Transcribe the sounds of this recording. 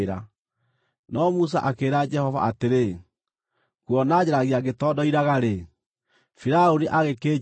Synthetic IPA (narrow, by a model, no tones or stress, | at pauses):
ɾa | nɔmus̬a̰ʔakeːɾad͡ʒɛhɔva̰ʔateɾe | kwɔnad͡ʑeɾaɣeaɡetɔdɔiɾaɣaɾe | fiɾaoniʔaɣekeː